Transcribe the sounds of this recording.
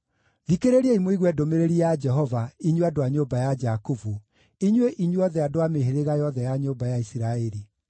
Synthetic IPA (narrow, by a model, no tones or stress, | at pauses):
ðikeɾeɾeimwiɣwɛdomeɾeɾiad͡ʒɛɦɔvaiɲweadoaɲobajad͡ʒakuvu | iɲweʔiɲweɔðɛadoameɦeɾeɣajɔðɛjaɲoːbajaisiɾaɛɾi